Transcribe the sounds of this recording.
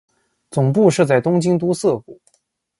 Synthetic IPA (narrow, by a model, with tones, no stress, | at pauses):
t͡sʊ˨˩ŋpu˥˧ʂɻ̩˥˧t͡sa˥˩ɪt̪ʊ˥ŋt͡ɕi˥ŋt̪u˥sɤ˥˩ku˨˩˦